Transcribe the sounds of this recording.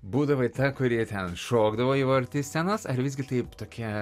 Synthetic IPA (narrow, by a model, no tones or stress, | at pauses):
buːd̪ɐʋoɪt̪ɐkʊɾʲiɛt̪ʲɛnʃoːɡd̪ɐʋoːiːʋɐɾʲt̪ʲɪsʲt̪ʲɛnɐsɐɾʋʲɪzʲɡʲɪt̪ɐɪpt̪oːkʲiɛ